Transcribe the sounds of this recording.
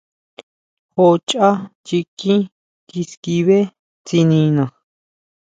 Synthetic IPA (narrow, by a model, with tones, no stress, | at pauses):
ho˧t͡ʃʼa˦t͡ʃi˧kĩ˦ | ki˧ski˧βe˦ | t͡si˧nĩ˧nã˨